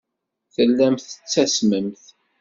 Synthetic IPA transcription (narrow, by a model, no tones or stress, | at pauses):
θəlːæmθə̥t͡sːæsməmθ